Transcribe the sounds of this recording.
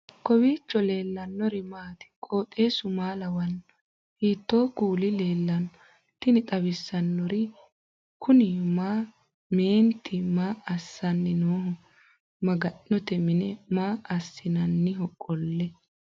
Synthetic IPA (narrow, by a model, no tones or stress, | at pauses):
kɔbiːt͡ʃːɔleːlːɐnːɔɾɪmaːt̪ɪ̥kʼo̞ːt̪ʼːe̞ːsʊmaːlɐwɐnːɔ | hiːt̪ːo̞ːkuːlɪle̞ːlːɐnɔ | t̪ːɪnɪt̪ʼɐbɪsːɐnːɔɾɪ | kʰʊnɪmaː | me̞ːnt̪ʰːɪmaːɐsːɐnːɪnoːhʊ | mɐɡɐnːɔt̪ɛmɪnɛmaːʔɐsːɪnɐnːɪɦɔkʼːɔlːɛ